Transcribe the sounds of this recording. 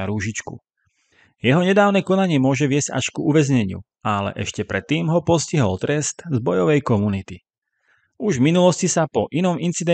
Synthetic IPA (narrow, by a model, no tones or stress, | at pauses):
aɾuːʒit͡ʃkṵ | jɛɦɔɲɛd̪aːʊnɛkɔnaɲɪɛmʊɔʒɛʋɪɛz̥ɟa̰ʃkuuʋɛzɲɛɲɪṵ | alɛ̰ʔɛʃcɛpɾɛt̪ːiːmɦɔpɔsciɦɔlt̪ɾɛst̪zbɔjɔʋɛjkɔmunit̪i | uʒvminulɔscisapɔʔinɔmint͡sid̪ɛ